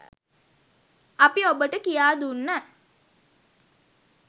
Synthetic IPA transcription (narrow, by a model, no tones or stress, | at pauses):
ɐpiobəʈəkijaːd̪unːə